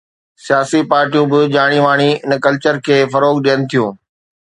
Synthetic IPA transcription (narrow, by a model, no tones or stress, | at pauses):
sijaːsipaːɾʈijũbɪʄaːɽ̃iʋaːɽ̃iɪnkɐlt͡ɕəɾkʰeːfɐɾoːɡɗijənɪ̆t̪ʰijũː